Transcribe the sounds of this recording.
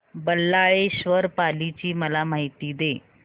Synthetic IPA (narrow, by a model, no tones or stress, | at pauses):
bəlːaɭeɕʋəɾpalit͡ɕiːməlamaɦit̪iːd̪e